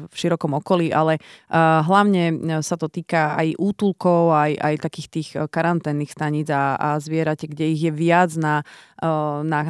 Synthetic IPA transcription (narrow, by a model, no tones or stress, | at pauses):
fʃiɾɔkɔmɔkɔliːʔalɛɦlaʊɲɛsat̪ɔt̪iːkaa̰jʔuːt̪ulkɔʊaja̰jt̪akiːxt̪iːxkaɾant̪ɛːnːiːxst̪aɲid͡zaazʋɪɛɾacɛɡɟɛiɣjɛʋɪad͡zna | na